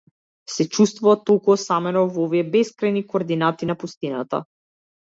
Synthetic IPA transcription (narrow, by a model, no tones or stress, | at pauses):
sɛt͡ʃust̪vuvat̪olˠkuɔsamɛnɔvɔviɛbɛskɾajnikoːɾd̪inat̪inapust̪inat̪a̰